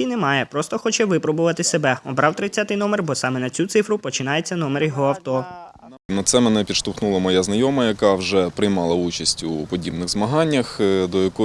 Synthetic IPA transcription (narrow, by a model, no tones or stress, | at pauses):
inɛmɑjɛpɾɔst̪ɔxɔt͡ʃɛʋɪpɾɔbʊʋɐt̪ɪsebɛɔbɾɑwt̪ɾɪt͡sʲːat̪ɪjnɔmɛrbɔsɑmɛnɐt͡sʲut̪sɪfɾʊpɔt͡ʃɪnɑjet͡sʲːɐn̪ɔmerjɔɦɔɐwt̪ɔ | nɐsɛmɛnɛpʲid̪ʃt̪ʊxnulˠɐmɔjaznɐjɔmɐjɐkɑwʒɛpɾɪjmɑlˠɐut͡ʃɐsʲtʲupɔdʲibnɪɣzmɐɦɑnʲːɐxd̪ɔjɐkɔ